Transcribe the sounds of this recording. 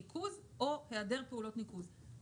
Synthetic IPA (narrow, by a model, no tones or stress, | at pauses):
ikʰuzʔoheade̞ʁpeulo̞tnikuz